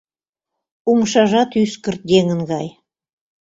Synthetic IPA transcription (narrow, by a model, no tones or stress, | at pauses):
umʃɑʒɑt̪yskə̆rt̪̚d̪eŋə̆nɡɑj